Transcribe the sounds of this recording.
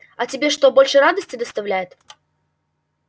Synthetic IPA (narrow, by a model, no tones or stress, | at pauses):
ɐtʲɪbʲe̞ʂt̪o̞bo̞lʲʂɨrad̪əsʲtʲɪd̪əst̪ɐvlʲæjɪt̪